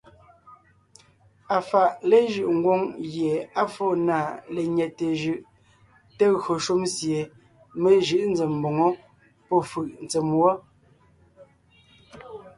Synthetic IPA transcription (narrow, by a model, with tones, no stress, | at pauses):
a˨fa˨ʔle˦ʒɯ˨ʔŋ̩˦ɡwo˦ŋɣje˨a˦fo˦˨na˦˨le˨ɲɛ˨te˨ʒʉ˨ʔ | te˦ɣɰo˨ʃu˦msje˨ | me˦ʒɯ˦ʔn̩˦d͡ze˨m˨bo˨ŋɔ˦ | pɔ˦fɯ˨ʔn˨t͡se˨mwɔ˦